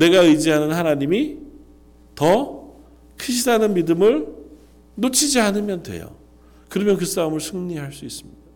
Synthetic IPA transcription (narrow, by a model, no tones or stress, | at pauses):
ne̞ɡaɯjd͡ʑiɦanɯnhanaɲimi | tʌ | kʰɯɕ̬ʰidanɯnmidɯmɯɭ | not͡ɕʰid͡ʑaɦanɯmjʌndwe̞̰jo̰ | kɯɾʌmjʌnk̬ɯs͈aɯmɯɭsʰɯŋɲiɦaɭs͈uis͈ɯmɲid̥a